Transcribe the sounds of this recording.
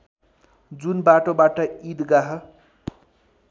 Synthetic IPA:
d͡zunbaʈobaʈʌid̪ɡaɦʌ

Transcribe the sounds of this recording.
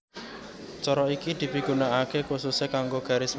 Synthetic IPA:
t͡ʃɔɾɔikid̪̥i̤bi̤ɡ̥ṳnaʔakekususekaŋɡoɡ̥a̤ɾɪs

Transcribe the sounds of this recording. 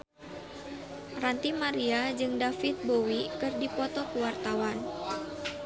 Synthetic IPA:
rant̪imaɾiad͡ʒɨŋdafit̪̚bowikɨrdipɔt̪ɔkuwart̪awan

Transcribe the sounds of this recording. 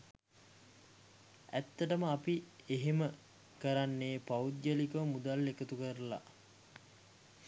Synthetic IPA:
æt̪ːəʈəməapieɦemə | kəɾanːeːpaud̪jəlikəʋmud̪alːekət̪ukəɾəla̰

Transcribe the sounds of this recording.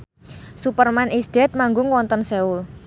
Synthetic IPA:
supərmanʔisd̪̥ɛt̪̚maŋɡʊŋwɔnt̪ənseul

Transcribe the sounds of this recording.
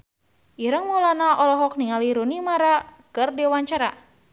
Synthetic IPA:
ʔiɾəŋmɔlanaʔɔlɔɦɔk̚niŋaliɾunimaɾakɨrdiwaɲt͡ʃaɾa

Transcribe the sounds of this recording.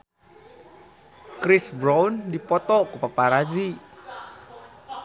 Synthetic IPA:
kɾɪsbɾawndipɔt̪ɔkupapaɾad͡ʒi

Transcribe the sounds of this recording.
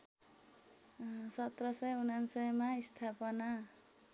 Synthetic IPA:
sʌt̪rʌsʌjunansʌjmaist̪ʰapʌna

